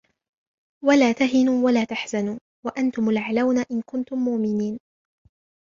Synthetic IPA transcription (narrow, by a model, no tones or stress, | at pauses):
walaːt̪aɦɪnuːwalaːt̪aħz̥anuː | waʔant̪ʊmalʕalawnaʔɪnkʊnt̪ʊmːʊʔmɪniːn